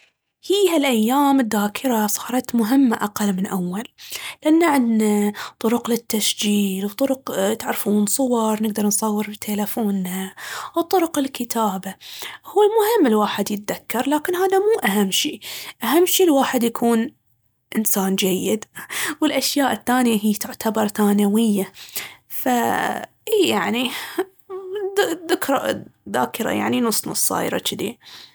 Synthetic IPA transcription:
hiːhalʔajːaːmɪd̪ːaːkʰɪɾasˤɑ̥ːɾˤɑt̪mʊɦɪmːaʔaqalːmɪnʔawːalːʔanːaʕɪd̪nat̪ˤʊɾʊqlɪt̪ːasd͡ʒiːlwt̪ˤʊɾʊqt̪aʕɾfuːnsˤʊwɑɾˤnɪɡd̪ɑɾˤnsˤɑwːɨɾbit̪ʰelafoːnhawt̪ˤʊɾʊqɪlkɪt̪ʰaːbahuːlmʊhɪmːɪlwaːħɪd̪jɪt̪̚ðakːɑɾˤlaːkɪnɦaːðamuːʔaɦamːʃiːʔaɦamːʃiːlwaːħɪd̪jakʰuːn | ʔɪnsaːnd͡ʒajːɪd̪wɪlʔaʃjaːʔɪθːaːnjaɦiːt̪ʊʕt̪ʰabɑɾˤθaːnawɪjːa | fa | ʔiːjaʕni | ðɪkɾˤa̰ða̰ːkɪɾa̰ja̰ʕninʊsˤːnɑ̰sˤːɑ̰ːjɾˤɑ̰t͡ʃɪd̪ḭ

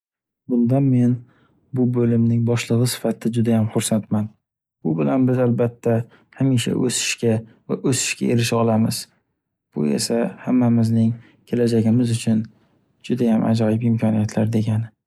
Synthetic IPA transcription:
bʊnd̪anme̞n | bʊbɵlɪmnɪŋbɒʃlɨʁɨsɪ̥fat̪ʰɪd͡ʒʊd̪ajamχʊɾsant̪man | bʊbɪlanbɪzalbat̪ʰːa | hamiʃa̰ʔɵsɪ̥ʃkʲava̰ʔɵsɪ̥ʃkʲa̰e̞ɾɪʃɒlˠamɪz̥ | b̥ʊ̰e̞̰sahamːamɪznɪŋ | kʲʰe̞lad͡ʒaɡʲɪmɪzʊt͡ʃʰʊn | d͡ʒʊd̪ajamʔa̰d͡ʒɒjɪpɪmkʲʰɒnijat̪ʰlaɾd̪e̞ɡʲanɪ

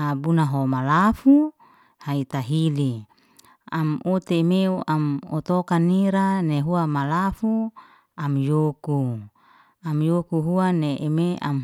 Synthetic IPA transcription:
abunaɦomalafu | hait̪aɦili | amut̪emeuʔamot̪okaniɾaneɦuamalafu | amjoku | amjokuɦuaneʔemea̰m

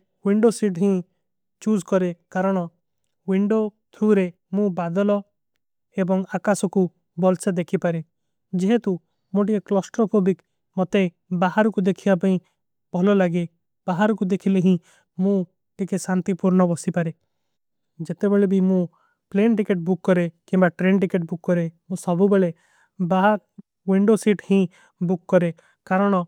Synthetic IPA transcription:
wiɳɖosiʈɦĩ | t͡ʃud͡ʒkɔɾekaɾɔɽ̃ɔ | wiɳɖo | t̪ʰuɾe | mũbad̪ɔlɔ | ebɔŋakasɔku | bɔlsed̪ekʰipaɾe | d͡ʒeɦet̪u | moʈieklɔsʈɾɔpobik | mɔt̪e | baɦaɾɔkud̪ekʰibapaĩ | b̥ʱɔlɔlaɡe | b̥aɦaɾɔkud̪ekʰileɦĩ | mũ | ʈikesant̪ipuɾnɔbɔsipaɾe | d͡ʒet̪ebeɭebʱimũ | plenʈikeʈ̚bukːɔɾekĩmbaʈɾenʈikeʈ̚bukːɔɾemũsɔbʱubeɭe | baɦa | wiɳɖosiʈhĩ | bukːɔɾe | kaɾɔɽ̃ɔ

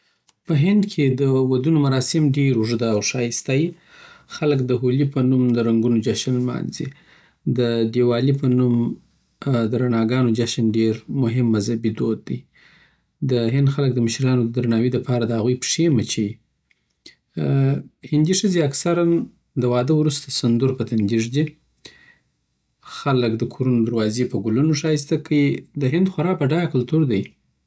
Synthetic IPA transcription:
pəɦɪnd̪kʰed̪əwad̪unomaɾɑsɪmɖeɾʊʐd̪aawʃɑjɪst̪aj | xaləkd̪əɦulipənumd̪əɾaŋɡunod͡ʒaʃənlmɑ̰nzi | d̪əɖewɑlipənum | d̪əɾanɑɡɑnod͡ʒaʃənɖeɾmʊɦɪmːazhabid̪od̪ːij | d̪əɦɪnd̪xalək̚d̪əmʊʃɾilɑnod̪əd̪ɾanɑwiləpɑɾad̪əhaɣujpʂemat͡ʃewi | hɪnd̪iʂəzeaksaɾan | d̪əwɑd̪əwɾust̪asand̪uɾpət̪and̪iʐd̪i | xaləkd̪əkʰoɾunod̪aɾwɑzepəɡulunoʂɑis̬t̪akəid̪əɦɪnd̪xaɾɑpaɖɑkalt̪uɾd̪aj

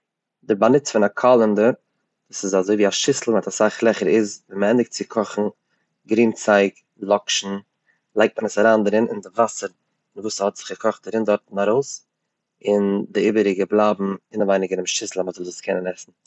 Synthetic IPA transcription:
dɪɾbanɪt͡sfɪnakʰɔlˠəndəɾ | d̥uːsɪzazoɪviːaʃɪsl̩ˠmɪtasaχlˠɛχəɾɪzvinməɛndɪk̚t̚t͡sɪkʰɔχn̩ | ɡɾiːnt͡saɪk | lˠɔkʃn̩ | lˠaɪk̚t̚mənəsaɾaːndɾɪnɪndɪvasəɾ | ɪnvuːshɔtz̥ɪχɡ̥əkʰɔχt̚daɾɪndɔɾtn̩aɾoʊs | ɪndɪiːbəɾɪɡəblˠabm̩ɪnavaɪnɪɡəɾɪmʃɪsl̩ˠamɔtəlzʊskʰɛnənɛsn̩

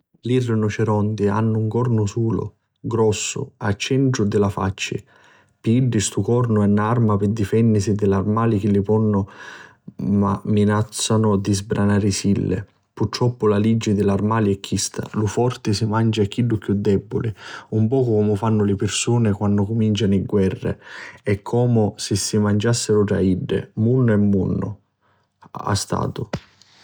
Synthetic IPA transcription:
lirːɪnʊt͡ʃɪɾɔnd̪ɪa̰nːʊuŋkɔrnʊsuːlʊ̰ | ɡɾɔsːʊ̰at͡ʃːɛnt̪ɾʊd̪ɪlafa̰t͡ʃːɪ̰ | piɖːɪst̪ukɔrnʊɛnːarmapɪd̪ifɛnːɪsɪd̪ɪlarmaːlik̟ɪlːɪpɔnːʊ | ma̰mːinat̪sːanʊd̪izbɾʔanaːɾɪsilːɪ̰ | purt̪ːɾɔpːʊlalid͡ʒːɪd̪ɪlarmaːliɛkʰːist̪a̰lufɔrt̪ɪsɪmand͡ʒakːiɖːʊkːjud̪ːɛbːʊ̰liumpɔːkʊkɔmʊfanːʊlɪpɪrsuːnɪkwanːʊkʊmint͡ʃanɪɡwɛrːɪ̰ɛkʰːɔːmʊsɪsːɪmand͡ʒasːɪɾʊʈ̪ɾa̰iɖːɪ̰munːʊɛmːunːʊ̰ | a̰st̪a̰ːt̪ʊ

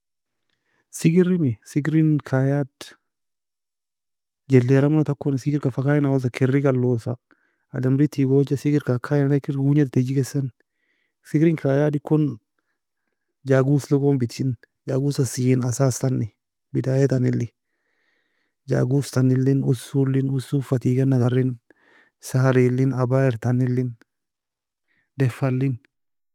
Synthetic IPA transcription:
sɪɡɪɾɪmɪsɪɡɾɪnkʰajaːd̪ | d͡ʒɛlːeːɾɐmnɐt̪ɐkːɔnɪsɪɡɪɾkɐfɐkajɪnɐɔs̬ɐkʰɪrːɪɡɐlːoːsɐ | ɐd̪ɐmɾit̪iboːd͡ʒɐsɪɡɪɾkakʰːajɪnnɐkːɪɾɡuːɲɐd̪̚t̪ɛd͡ʒɪɡesɐn | sɪɡɾɪŋkʰaːjaːd̪ɪkːɔn | d͡ʒaːɡuːslʊkombɪt̪ɪn | d͡ʒaːɡuːsɐsinɐsaːst̪ɐnːɪ | bɪd̪ajɛt̪ɐnɪlːɪ | d͡ʒa̰ːɡuːst̪ɐnːɪlːɪnʊsuːlːɪnʊsuːfɐt̪iːɡɐnːɐɡɐrːɪn | sɐhɐɾilːɪnɐbaːɪɾt̪ɐnɪlːɪn | d̪ɛfːɐlːɪn

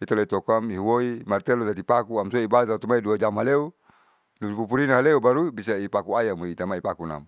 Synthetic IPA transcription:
it̪ɔlait̪ɔkamiɦwoimart̪ɛlɔd̪adipakuamsɔibalat̪at̪umaiduad͡ʒamɦaleu | nuupupuɾinaɦaleubaɾubisaipakuajamoit̪amaipakuna̰m

